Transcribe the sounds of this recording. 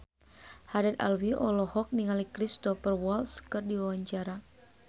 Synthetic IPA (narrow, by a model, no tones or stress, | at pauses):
haɾat̪a̰lwiʔɔlɔhɔk̚niŋalikɾist̪ɔfərwɔlskərdiwawaɲt͡ʃaɾa